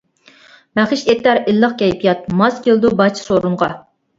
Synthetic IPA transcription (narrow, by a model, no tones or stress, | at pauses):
mæχɪʃet̪ːæɾɪlːəχkʲʰɛjpʰijɑt̪̚mɑskʲʰeld̪ubɑt͡ʃʰsoɾuɴʁɑ